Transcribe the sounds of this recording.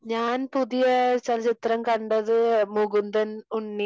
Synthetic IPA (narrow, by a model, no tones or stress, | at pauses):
ɲaːnpuðijɐt͡ɕɐlɐt͡ɕit̪rɐmkɐɳɖɐðɨmuɣund̪ɐnuɳːi